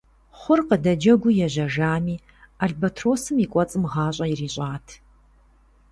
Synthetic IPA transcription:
χʷʊrqədɐd͡ʒɐɡʷʊjɛʑɐʒaːmiː | aɮbɐtʰroːsɨmikʷʼɔt͡sʼɨmʁɑːɕʼɐjiriːɕʼaːtʰ

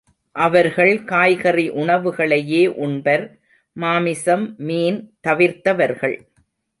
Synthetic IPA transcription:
ʔɐʋɐɾɣɐɭkaːjɣɐriʔʊɳɐʋɯɣɐɭɐjeːʔʊɳbɐɾː | aːmɪsɐmːiːnt̪ɐʋɪɾt̪ɐʋɐɾɣɐɭ

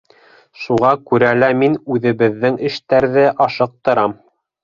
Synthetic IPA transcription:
ʃuʁɑkʉɾælæminʉðɘ̆βɘ̆ðːɘŋɘ̆ʃt̪æɾðɘʔɑʃɤ̆q̚t̪ɤ̆ɾɑm

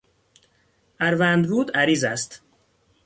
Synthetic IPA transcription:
ʔæɾvænd̪buːd̪æɾiːzæst̪

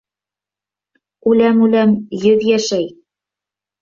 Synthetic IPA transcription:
ʉlæmʉlæmjɵðjæʃæj

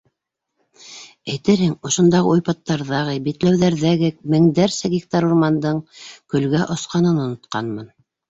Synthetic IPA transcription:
æjt̪ɘɾhɘŋŏʃŏnd̪ɑʁɤujpɑt̪ːɑɾðɑʁɤjbit̪læwðæɾðæɡɘk̚mɘ̆ŋd̪æɾsæɡik̚t̪ɑɾurmɑnd̪ɤɴkɵ̆lɡæʔŏsqɑnɤnŏnŏt̪̚qɑnmɤn

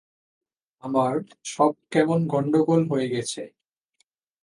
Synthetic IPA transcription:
amaɾ | ʃɔb̚kɛmonɡʱɔɳɖoɡolɦoeɡɛt͡ɕʰe

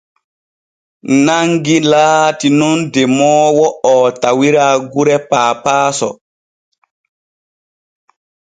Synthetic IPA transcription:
naŋɡilaːtinɔndɛmɔːwɔɔtawiɾaːɡuɾɛpaːpaːsɔ̰

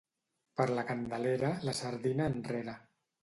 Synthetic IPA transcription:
pəɾləkand̪əleɾələsəɾðinaːnreɾa

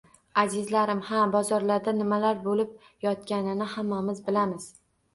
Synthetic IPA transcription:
azɪzlaɾɪmhabɒzɒɾlaɾd̪anɪmalaɾbolɪp̚ | jɒt̪kʲanɪnɪhamːamɪzbɪlamɪz̥

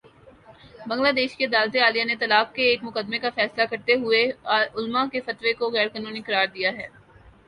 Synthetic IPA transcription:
bɐ̃ŋɡlaːd̪eːʃked̪aːlt̪eaːlijanet̪ɐlaːq̚keːkmʊqəd̪̚mekafɛːslakɐɾt̪eɦʊeʊlmãkefɐt̪ʋekoɣɛːɾkaːnũːniqɐɾaːɾd̪ijaɦɛː

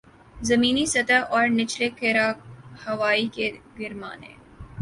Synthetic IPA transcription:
zɐmĩːnisɐt̪aʔɔːɾnɪt͡ʃlekeːɾahɐʋaːikeɡɪɾma̰ːnḛː

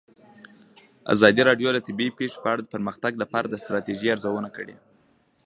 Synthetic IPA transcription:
a̰zɑd̪iɾɑɖjolət̪ɪbipeʂe̥pəaɽad̪əpəɾməxt̪aɡlapɑɾad̪əst̪ɾɑt̪eʒiaɾzawənakəɽḛ

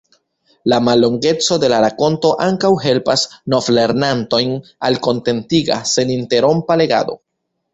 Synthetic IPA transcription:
lamalːo̞ŋɡe̞t͡so̞de̞laɾako̞nto̞ʔaŋkawɦe̞lpasno̞fle̞ɾnanto̞jnalko̞nte̞ntiɡa̰se̞ninte̞ɾo̞mpale̞ɡa̰do̞̰

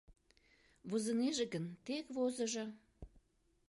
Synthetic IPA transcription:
βuzəneʒeɡənt̪ekvozə̆ʒɤ̆

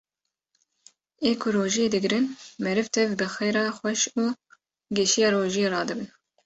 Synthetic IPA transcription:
eːkʰʊɾoːʒijeːd̪ɨɡɾɨnmɛɾɨvt̪ʰɛvbɨxejɾɑːxʷɛʃuː | ɡɛʃijɑːɾoːʒijeːɾɑːd̪ɨbɨn

